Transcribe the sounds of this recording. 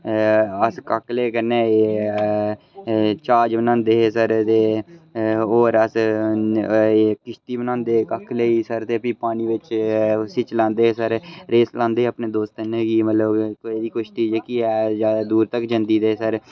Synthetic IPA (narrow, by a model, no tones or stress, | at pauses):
əskəkleːkəneːeː | t͡ʃaːd͡ʒbənãːnd̪eːɦeːsəɾt̪eː | oːɾəs | kɪʃt̪iːbənãːnd̪eːkəkʰleːiːsəɾt̪eːpiːpaːniːʋɪt͡ʃsɪt͡ʃlãːnd̪eːɦeːsəɾɾeːslãːnd̪eːəpneːd̪oːst̪əneɡiːmət̪ləbkoeːd̪iːkʊʃt̪iːd͡ʒeːkiːɛːzjaːd̪aːd̪uːɾt̪əkd͡ʒənd̪iːd̪eːsəɾ